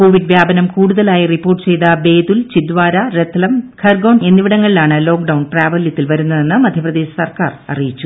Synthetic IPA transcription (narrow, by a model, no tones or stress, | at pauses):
ko̞ːʋiɖʋjaːbɐnɐmkuːɽuðɐlaːjɐripːoːrʈːɨ̥t͡ɕe̞jt̪ɐbe̞ːd̪ult͡ɕid̪ʋaːɾɐɾet̪ːɐlɐmkɐrɡɐwɳɖe̞nːiʋiɽɐŋːɐɭilaːɳɨlo̞ːkɖɐwɳpraːʋɐljɐt̪ːilʋɐɾunːɐðe̞nːɨmɐd̪ʱjɐprɐd̪e̞ːɕɐ̥sɐrka̰ːrɐ̰rijit͡ɕːu